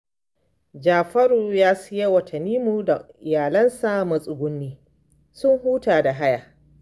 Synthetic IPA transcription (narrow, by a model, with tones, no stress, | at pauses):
d͡ʒaː˨ɸɐ˦ɾuː˨jaː˦sɪ˦je˦wɐ˨tʰɐ˨nːiː˦mu˨da˨ʔɪ˨jaː˨lɐ˦nsa˦mɐ˨sʼʊ˨ɡʷʊ˦nːiː˦ | sʊ˦ŋhuː˦taː˨da˨ɦa˦ja˨